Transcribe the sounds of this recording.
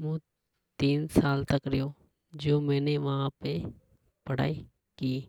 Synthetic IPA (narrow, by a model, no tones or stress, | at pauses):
mũː | t̪iːnsaːlt̪əkɾɪjoː | d͡ʒoːmɛ̃ːneːʋãːpeː | pəɽa̰ːiː | kiː